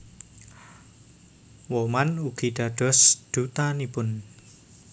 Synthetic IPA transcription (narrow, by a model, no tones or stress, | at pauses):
wɔmanuɡ̥i̤d̪̥ä̤d̥ɔ̤sd̪̥ut̪anipʊn